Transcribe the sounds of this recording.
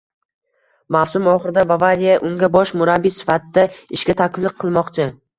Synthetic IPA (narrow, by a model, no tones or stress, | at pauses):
mafsʊmɒχɨɾɪd̪abavaɾijaʔʊŋɡʲabɒʃmʊɾabːisɪ̥fat̪ɪd̪aɪʃkʲat̪ʰakʲʰɪblˠɨqʰːɨlˠmɒqt͡ʃʰɪ